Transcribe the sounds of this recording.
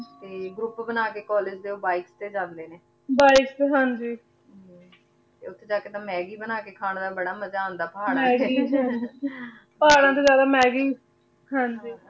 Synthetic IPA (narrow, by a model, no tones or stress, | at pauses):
t̪eːɡɾʊpbənaːkeːkɔːlɪd͡ʒd̪eːoːbaːɪkst̪eːd͡ʒãːnd̪eːneː | baːɪkst̪eːɦãːɲd͡ʒiː | t̪eːʊt̪ʰːeːd͡ʒaːkeːt̪ãːmɛːɡiːbənaːkeːkʰaːɳd̪aːbəɽaːməd͡ʒaːõnd̪aːpəɦaːɽmɛːɡiːɦ | pəaːɽãːt̪̬eːd͡ʒjaːd̪aːmɛːɡɪː | ɦãːɲd͡ʒiː